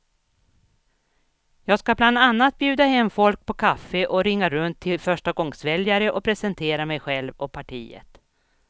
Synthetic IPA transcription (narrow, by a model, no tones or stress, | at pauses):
jɑːɡskabland̪anːat̪̚bjʉ̟ːd̪ahɛmːfɔlk̚pʰɔkʰafːəʔɔɾɪŋːaɾɵnt̪ʰːɪlfœʂʈaɡɔŋsvɛljaɾəʔɔpʰɾɛsɛnt̪ʰeːɾamɛjɧɛlvɔpʰaʈʰiːə̰t̪